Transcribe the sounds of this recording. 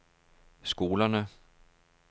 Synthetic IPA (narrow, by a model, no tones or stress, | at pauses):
sɡ̥o̝ːlɐnə